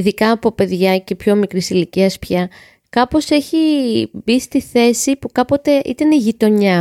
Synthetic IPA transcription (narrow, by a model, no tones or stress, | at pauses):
iðikɐːpo̞pe̞ðʝɐce̞pço̞mikɾisiliciɐspçɐ | kɐpo̞se̞çibist̪iθe̞sipukɐpo̞t̪e̞ʔḭt̪ɐniʝit̪o̞ɲɐ